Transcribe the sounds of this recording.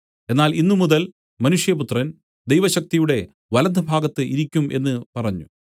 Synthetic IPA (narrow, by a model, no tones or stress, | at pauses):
e̞nːaːlinːumuðɐl | mɐnuʂjɐput̪rɐn | d̪ejʋɐɕɐk̚t̪ijuɽe̞ | ʋɐlɐd̪ʱɐbʱaːɡɐt̪ːɨʔiɾikʲːumʔe̞nːɨpɐrɐɲːu